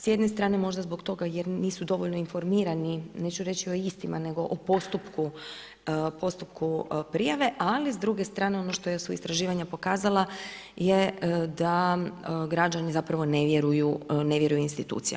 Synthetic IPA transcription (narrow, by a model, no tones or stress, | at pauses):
sjed̪nest̪ɾaːne̞mo̞ʒd̪azbo̞kt̪o̞ɡajeɾniːsud̪o̞ʋoʎno̞info̞ɾmiːɾanine̞t͡ʃuɾe̞t͡ɕio̞ist̪imane̞ɡo̞ʔopo̞st̪upku | po̞st̪upkupɾijaʋe̞ʔalizd̪ɾuɡe̞st̪ɾaːne̞o̞noʃt̪ojesuist̪ɾaʒiːʋaɲapo̞kaːzalˠa | jed̪a | ɡɾad͡ʒanizapɾaʋo̞ne̞ʋjeɾujuneʋje̞ɾujuinst̪it̪ṵːt̪sija̰